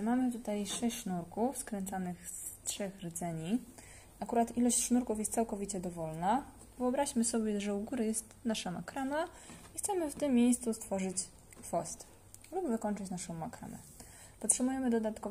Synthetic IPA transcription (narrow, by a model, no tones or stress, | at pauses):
mamɘt̪ut̪ajʂɛɕʂnuɾkufskɾɛnt̪sanɘxstʂɛxɾɘd̪zɛɲi | akuɾat̪ilɔɕt͡ɕʂnuɾkufjɛst̪sawkɔvʲit͡ɕɛd̪ɔvɔlna | vɘɔbɾaɕmɘsɔbʲjɛʐɛuɡuɾajɛst̪naʂama̰kɾanaixt̪sɛmɘft̪ɘmːʲjejst̪sust̪fɔʐɘt͡ɕ | fɔst̪ | lubvɘkɔnt͡ʂɘt͡ɕnaʂɔ̃w̃makɾa̰mɛ̰ | pɔtʂɛbujɛmɘd̪ɔd̪at̪kɔ